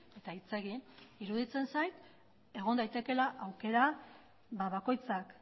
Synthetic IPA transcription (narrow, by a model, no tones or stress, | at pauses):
e̞t̪ait͡se̞ɣiiɾuðit͡se̞nsajt̪ | e̞ɣ̞o̞nd̪ajt̪e̞ke̞laʔawke̞ɾa | βaβako̞jt͡sak